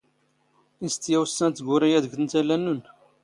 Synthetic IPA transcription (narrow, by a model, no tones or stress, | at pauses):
ist̪jæwsːænt̪ːɡʊɾˤijæðəɡθənt̪ælːænːun